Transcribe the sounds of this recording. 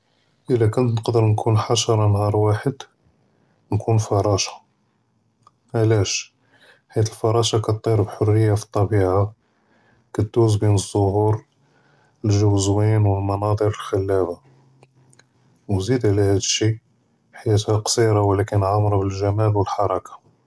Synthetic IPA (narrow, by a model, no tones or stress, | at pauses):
ʔəlːækʊnt̪nəqd̪əɾnkʰunħaʃɑɾˤɑnhɑɾˤwaħəd̪ | nkʰunfɑɾˤɑʃḁ | ʔælæʃ | ħijæt̪əlfɑɾˤɑʃɑkɑt̪ˤːiɾbħorːəjːafi̥t̪ˤːɑbiʕa | kæt̪̚d̪uzbinəzˤːohuɾ | əlʒəwzwinwəlmɑnɑd̪ˤəɾəlxælːæba | wzid̪ʕlæhæd̪əʃːi | ħajæt̪hæqsˤiɾɑwlækənʕamɾˤɑbəlʒæmælwəlħɑɾˤɑkḁ